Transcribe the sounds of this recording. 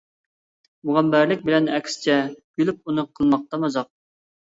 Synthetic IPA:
muʁæmbæɾlɪk̚ʲbɪlɛnɛkʲsɪ̥t͡ʃʰɛɡ̥ylyp̚unɨqʰəlˠmɑq̚t̪ɑmɑzɑq̚

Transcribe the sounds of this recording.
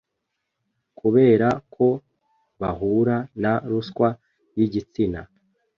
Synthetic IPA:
kuβe̞ːɾakʰo̞ | βahuɾanaɾuskwa | jiɟit͡sina

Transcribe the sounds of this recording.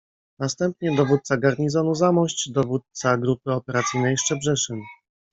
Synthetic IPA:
nast̪ɛmp̚ɲɛd̪ɔvut̪t̪saɡaɾɲizɔnuzamɔɕt͡ɕd̪ɔvut̪̚saɡɾupɘɔpɛɾat̪sɘjnɛjʂt͡ʂɛbʐɛʂɘm

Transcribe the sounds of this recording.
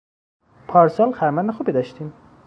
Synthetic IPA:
pʰɒːɾsɒːlxæɾmænːexuːbid̪ɒʃt̪ʰiːm

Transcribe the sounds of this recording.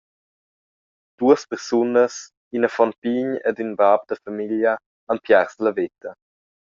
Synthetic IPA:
d̪̥uəspɛɾsunəs | inəfɔnpiɲɛ̰dynbab̚d̪əfamiljə | ampjɛɾsləvet̪ə

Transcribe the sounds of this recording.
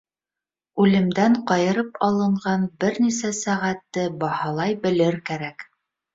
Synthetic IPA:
ʉlɘ̆md̪æɴqɑjɤ̆ɾɤpɑlˠɤ̆ɴʁɑnbɘɾnisæsæʁæt̪ːɘbɑhɑlˠɑjbɘ̆lɘɾkæɾæk

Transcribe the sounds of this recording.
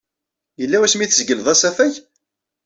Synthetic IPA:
jəlːæwæsmiθzɡəlðˤæsæfæç

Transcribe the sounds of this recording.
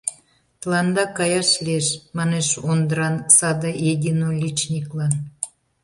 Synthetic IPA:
t̪əlɑnd̪ɑkɑjɑʃlʲieʃmɑneʃond̪əɾɑnsɑd̪ɑjed̪ʲinolʲit͡ɕnʲiklɑn

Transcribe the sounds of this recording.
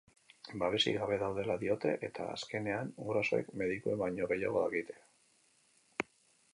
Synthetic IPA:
baβe̞sḭɣaβe̞ðawðe̞laðio̞t̪e̞ʔet̪ʰa̰a̰ske̞ne̞anuɣɾaso̞e̞̰kme̞ðikuembaɲo̞ɣe̞jaɣ̞o̞ðaɣit̪e̞̥

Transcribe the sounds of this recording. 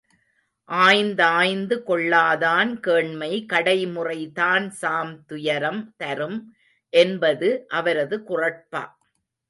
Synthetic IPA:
ʔaːjnd̪ɐaːjnd̪ɯkɔɭːaːðaːnkeːɳmɐɪkɐɽɐɪmʊrɐɪt̪aːnsaːmt̪ʊjɐɾɐmt̪ɐɾɯm | ʔɛnbɐðɯʔɐʋɐɾɐðɯkʊrɐpːa̰ː

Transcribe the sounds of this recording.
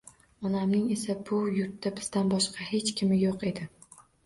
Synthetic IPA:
ɒnamnɪŋe̞sabʊjʊɾt̪ːabɪz̥d̪anbɒʃqɑhe̞t͡ʃkʲʰɪmɪjoqe̞d̪ɪ

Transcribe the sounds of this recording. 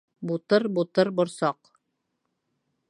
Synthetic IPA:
but̪ɤɾbut̪ɤɾbŏɾsɑq

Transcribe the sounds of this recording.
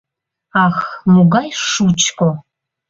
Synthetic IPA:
aːxmuɡajʂut͡ʃʰkʼɔ

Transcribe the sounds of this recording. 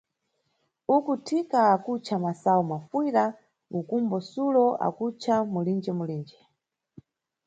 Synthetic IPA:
ukutʰikaːkut͡ʃʰamasaɔmafwiɾa | ukumbɔsulɔa̰kut͡ʃʰamulind͡ʒɛmuliːnd͡ʒɛ

